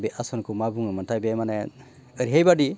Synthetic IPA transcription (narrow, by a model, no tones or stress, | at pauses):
bɛʔasɔnkumabuŋəmantʰajbɛmanɛ | əɾiɦejbaɖi